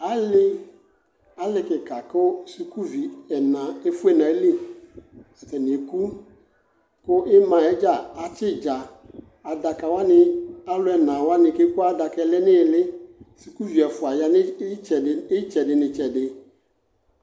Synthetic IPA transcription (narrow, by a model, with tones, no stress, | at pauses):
a˨˦lɪ˦ | a˨˦lɪ˨kɪ˨ka˨kʊ˦su˨ku˦vi˨ɛ˨nã˨e˦fʊ˦ɛ˨nã˨e˦le˦˨ | stɛ˨nɪ˨e˨ku˦ | kʊ˦ʔɪ˦mã˨ɛ˦d͡ʒa˦˨a˨t͡ʃɪ˦d͡ʒa˨ | a˨da˨ka˨wa˦nɪ˨a˦lʊ˦ɛ˨nã˨wa˦nɪ̃˨ke˦kʊ˦a˦da˨kɛ˨lɪ˦nɪ˦˨lɪ˦su˨ku˦vi˨ɛ˨fʊ˨a˨ja˨nɪ˦t͡ʃɛ˨ɪ˦t͡ʃɛ˨dɪ˨nɪ̃˨t͡ʃɛ˨dɪ˨